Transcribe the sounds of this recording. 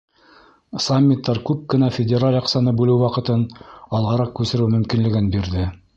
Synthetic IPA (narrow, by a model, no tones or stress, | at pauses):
samʲːit̪ːɑɾkʉp̚kɘ̆næfʲɪdʲeɾalʲjɑqsɑnɤbʉlɘwwɑqɤ̆t̪ɤnɑlˠʁɑɾɑq̚kʉsɘ̆ɾɘwmɵ̆mkinlɘ̆ɡɘnbiɾðɘ